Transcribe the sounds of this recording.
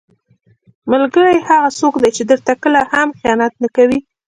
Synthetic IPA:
malɡəɽajhaɣasokd̪ajt͡ʃed̪əɾt̪akəlahamxjɑnat̪̚nakawi

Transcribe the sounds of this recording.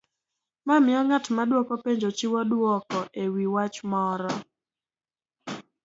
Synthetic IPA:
mamɪɔŋatmadwɔkɔpeɲd͡ʒot͡ʃiwɔdwɔkɔʔewiwat͡ʃmɔɾɔ

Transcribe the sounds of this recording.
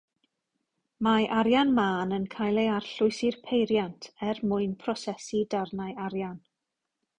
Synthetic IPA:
maʔaɾjanmaːnənkʰajlˠejarɬʊɨsɪrpʰejɾjantʰɛrmʊɨnpʰrɔsɛsidarnajaɾjan

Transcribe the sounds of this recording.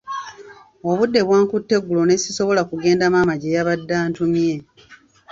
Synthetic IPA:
oβudːe̞βwaːŋkutːe̞ɡːulo̞ne̞siso̞βo̞lakuɡe̞ːndamamaɟejaβadːaːntumje̞

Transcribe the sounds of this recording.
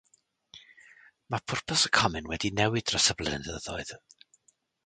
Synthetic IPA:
mapʰʊrpʰəsəkʰɔmɨnwɛdinɛwɨdrəsəblˠɛ̰nðəðɔɨð̥

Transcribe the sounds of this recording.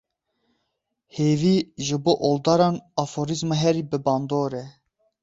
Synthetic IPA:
heːviːʒɨboːʔold̪ɑːɾɑːnɑfoːɾizmɑɦɛɾiːbɨbɑːnd̪oːɾɛ

